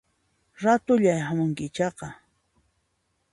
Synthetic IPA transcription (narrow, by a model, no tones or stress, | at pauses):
ɾat̪ʊʎajhamʊŋkɪt͡ʃɑqɑ